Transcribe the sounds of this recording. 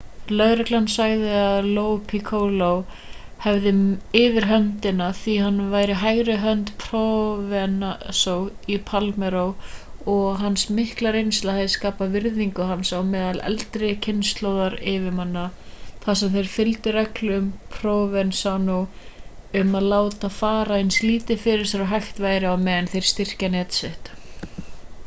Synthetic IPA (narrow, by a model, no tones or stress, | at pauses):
lœɣɾɛklanːsaɣðɪaðloːwpʰikʰowlow | hɛvðɪɪːvɪɾɦœnt̪ɪnaθiɦanːvaːjɾɪɦaːjɾɪɦœnt̪pʰɾɔvɛnasow | ipʰalmɛɾowɔɣɦansmɪhklaɾejnst̪lahaðɪskaːpavɪɾðiŋkʏɦansawmɛːðalɛ̰lt̪ɾɪcʰɪnst̪lowðaɾɪvɪmanːaθasɛmθejɾ̥fɪlt̪ɪɾœklʏmpʰɾoːvɛnsawnow | ʏmaðlaːwt̪afaːɾaɪnsliːt̪ɪfɪɾɪɾ̥sɛɾawɦajxt̪vaːjɾɪawmɛːðɪnθejɾ̥st̪ɪr̥canɛːt̪sɪht̪